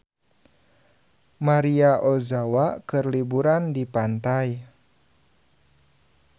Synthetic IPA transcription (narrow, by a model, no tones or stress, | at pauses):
maɾiaʔozawakɨrlibuɾandipant̪aj